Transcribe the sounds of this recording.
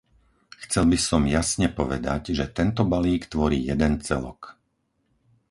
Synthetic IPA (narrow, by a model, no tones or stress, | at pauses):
xt͡sɛlbisɔmjasɲɛpɔʋɛ̰d̪aɟʒɛt̪ɛnt̪ɔbaliːkt̪ʋɔɾiːjɛd̪ɛnt͡sɛ̰lɔ̰k